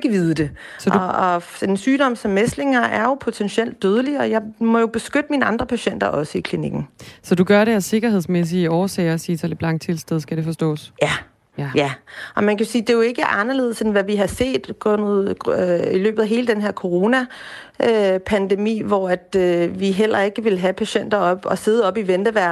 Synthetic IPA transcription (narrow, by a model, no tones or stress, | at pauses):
ɡ̥əʋiðˠəd̥e̝ | sɒd̥ɒ̽ | ensyːɾ̥ɒ̽m̰sɒ̽mːesd̥le̝ŋɐæɐjo̝pʰo̝t͡sʰenɕiel̰d̥̚ːøð̞ˠəliɒ̽jɑ̈ɪmɒ̽jo̝b̥e̝sɡ̥ød̥əmiːnəɑ̈nd̥ʁɐpʰæɕen̰d̥ɐʔɒ̽səikʰliniɡ̥n̩sɒ̽d̥uɡ̥ɶɐɾeæse̝ɡ̥ɐɦe̝ð̞̰ˠsmes̬iɒːsɛːɪɐsiːt͡sʰeleb̥lɑ̈ŋ̰̥̚t͡sʰe̝lsd̥eð̞ˠsɡ̥æɾ̥e̝fɒ̽sd̥ɔ̰̽ːsjæ | jæʔɒ̽mænkʰæsiːd̥e̝jo̝e̝ɡ̥əʔɑ̈nɐle̝ðˠsenʋæʋiɦɑ̈se̝̰ːd̥ɡ̥ɔnð̰ˠilø̰ːb̥ðˠæɦe̝ːləd̥enɦe̝ɐ̰kʰo̝ʁo̝ːnæ | ʔøpʰænd̥emḭːʋɒæd̥øʋiɦel̰ɐe̝ɡ̥əʋe̝lɦæpʰæɕen̰d̥ɐɒ̽b̥ɒ̽se̝ð̞ˠəɒ̽b̥iʋend̥əʋæɐ